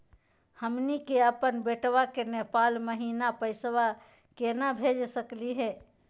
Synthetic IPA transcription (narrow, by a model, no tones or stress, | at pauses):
həmnikeəpənbeʈʋakenepaːlməɦiːnapəɪsʋa | kenabʱed͡ʒsəkliɦɛː